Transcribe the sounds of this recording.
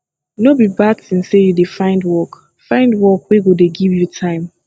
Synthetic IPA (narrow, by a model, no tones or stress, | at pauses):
nobibad̚θĩnsejudefãɪ̃ndwɔk | fãɪ̃ndwɔkweɡodeɡivjutʰãɪ̃m